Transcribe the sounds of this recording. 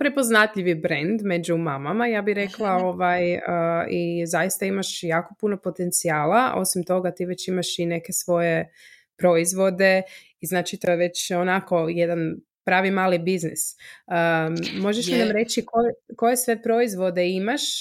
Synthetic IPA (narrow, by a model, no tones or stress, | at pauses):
pɾepo̞znat̪ʎiʋibɾend̪me̞d͡ʒumamamajaːbiɾe̞klˠaoʋajəizajist̪aimaʃjaːko̞puno̞po̞t̪ent̪siaːlaʔo̞̰simt̪o̞ɡat̪iːʋe̞t͡ɕimaʃine̞ke̞sʋo̞je | pɾo̞izʋo̞d̪e̞ | iznaːt͡ʃit̪o̞jeʋe̞t͡ɕonako̞jed̪an | pɾaːʋimaːlibiznisəmo̞ʒeʃnamɾe̞t͡ʃikojeko̞je̞sʋe̞pɾo̞izʋo̞d̪e̞imaʃ